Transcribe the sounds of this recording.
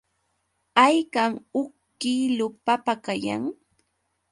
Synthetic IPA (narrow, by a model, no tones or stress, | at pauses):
ajkaŋʊkː | ilʊpapakaja̰ŋ